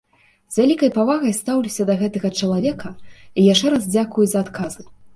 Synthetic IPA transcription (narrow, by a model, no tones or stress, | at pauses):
zvʲalʲikɐjpavaɣɐjst̪awlʲisʲɐd̪ɐɣɛt̪ɐɣɐt͡ʂɐlˠavʲɛkʰɐijaʂt͡ʂɛɾazd͡zʲakujuzɐːt̪kʰazɨ